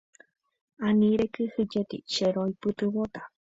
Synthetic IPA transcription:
anĩɾekɨhɨd͡ʒet̪ḭʃeɾoipɨt̪ɨwot̪a

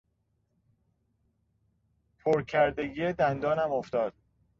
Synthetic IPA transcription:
pʰoɾcʰæɾd̪e̞ɡiːed̪ænd̪ɒːnæmoft̪ɒːd̪̥̚

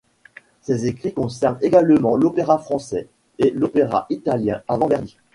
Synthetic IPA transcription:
sɛzekχikɔ̃sɛʁneɡalmɑ̃lopeʁafχɑ̃sɛ | elopeʁa̰ʔit̪aljɛ̃avɑ̃vɛʁd̪i

